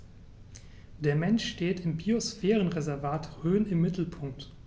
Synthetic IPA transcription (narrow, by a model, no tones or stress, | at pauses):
d̥eːɐmɛnʃʃteːtɪmbiosfɛːʁənʁezɛɐvaːtʁøːnɪmːɪtl̩pʰʊŋk̚t